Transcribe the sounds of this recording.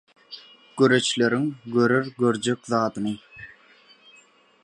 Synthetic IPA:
ɡ̥øɾe̞t͡ʃle̞ɾiŋɡøɾøɾɡø̞ɾd͡ʒe̞kʲðɑːd̪ɯnɯ

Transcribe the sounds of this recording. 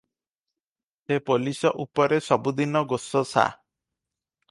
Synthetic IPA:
sepolisɔʔupɔɾesɔbud̪inɔɡosɔsa̰

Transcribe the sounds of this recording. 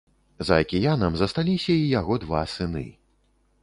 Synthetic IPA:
zɐɐkʲijanɐmzɐst̪alʲisʲɐijaɣɔd̪va̰sɨnɨ̰

